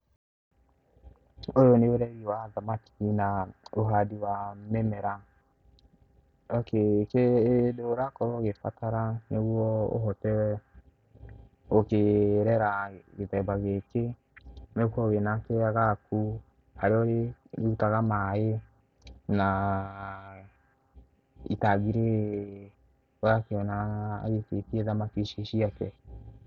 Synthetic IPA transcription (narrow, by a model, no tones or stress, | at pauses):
ojoneoɾɛɣiwaðamakiinaoɦadiwamɛmɛɾa | ɔkekedoɾakɔɾɔɣefatʰaɾaneɣwɔo̰ɦɔtɛɛ | okeɾɛɾaɣetɛbaɣeke | nekɔɣenakeaɣaku | haɾeɔɾeutaɣamae | na | ḭtaɣiɾe | oakeɔna̰ːɣetetiɛðamakiʃiʃiakɛ